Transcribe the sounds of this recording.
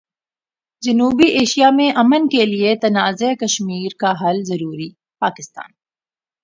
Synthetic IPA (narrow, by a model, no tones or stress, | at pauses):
d͡ʒɐnuːbiʔeːʃijamẽʔɐmənkeliet̪ɐnaːzekɐʃmiːɾkaɦɐlzɐɾuːɾi | paːkɪst̪a̰ːn